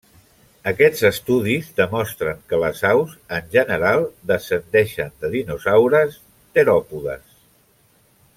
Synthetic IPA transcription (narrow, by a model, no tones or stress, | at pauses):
əkɛd͡zəst̪uð̞izðəmɔst̪ɾəŋkələzawzənʲʒənəɾalˠd̪əsənd̪ɛʃənd̪əðinuzawɾəs | t̪əɾɔpuðə̰s